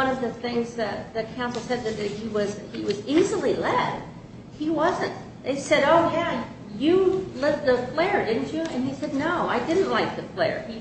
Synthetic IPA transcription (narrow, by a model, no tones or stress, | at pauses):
ʌ̃nʌvðɨθɪ̃ŋzðɨkʰãʊ̃nsl̩ˠsɛd̪̚ðɨt̪̚ðɨhiwʌziwʌzizl̩ˠilɛd̥ | hiwʌzɨ̃nt̚ | ðeɪsɛɾoʊjæ | jɨlɛv̚ðəflɛɹdɪdⁿn̩t͡ʃɨɨ̰̃nisɛdⁿnoʊaɪdɪdⁿn̩ʔlaɪk̚ðɨflɛ̰ɹi